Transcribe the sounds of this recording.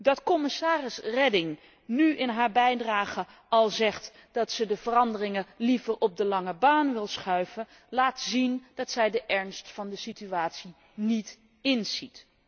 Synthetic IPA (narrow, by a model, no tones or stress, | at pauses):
dɑtkɔmɪsaːrɪsrɛdɪŋ | nyʔɪnɦaːɹbɛjdraːχə | ɑlˠzɛχt | d̥ɑtsədəv̥ərɑndərɪŋəlivəɹʔɔp̚dəlɑŋəbaːnʋɪlˠsχœɥvə | laːtzind̥ɑtsɛjdəʔɛɹnstfɑndəsityaːtsi | nit | ɪnz̥it